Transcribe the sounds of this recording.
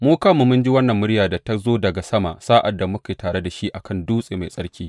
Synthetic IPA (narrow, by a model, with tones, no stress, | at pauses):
muː˦kaː˦mu˨mʊ˦nd͡ʒi˦wɐ˦nːɐ˨mːʊ˦ɽjaː˨da˨ta˦zoː˦dɐ˨ɡa˨sɐ˦ma̰ː˨ʔsaː˦ʔa˨dːa˨mʊ˦ka˨jtaː˨ɽe˦da˨ʃi˦ʔa˨kʰɐ˦˨nduː˦sʼeː˨ma˨jsʼɐ˦ɽkʲiː˦